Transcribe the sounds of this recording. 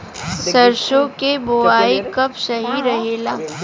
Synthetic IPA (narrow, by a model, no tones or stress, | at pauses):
sɐɾʃõkeboaːikɐpsɐɦiɾɐɦeːlaː